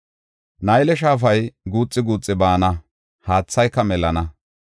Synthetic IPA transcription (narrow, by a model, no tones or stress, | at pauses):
nɐjlɛʃ̬aːfɐjɡuːt͡sʼːɪɡuːt͡sʼːɪbaːnɐ | haːt͡sːɐjkːɐmɛlɐnɐ